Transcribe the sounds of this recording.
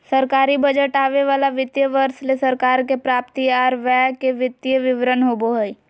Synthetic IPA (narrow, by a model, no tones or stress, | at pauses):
səɾkaːɾibəd͡ʒəʈaːʋeʋaːlaʋɪt̪jəʋəɾslesəɾkaːɾkepɾaːp̚t̪iaːɾʋɛːkeʋɪt̪jəʋɪʋɾənɦoːboɦəi